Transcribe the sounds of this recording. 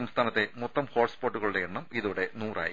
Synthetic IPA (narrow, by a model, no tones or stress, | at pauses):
ɐmst̪ʰaːnɐt̪ːe̞mot̪ːɐmhoːrʈspo̞ːʈːuɣɐɭuɽeeɳːɐmiðuɽe̞nuːrʔa̰ːji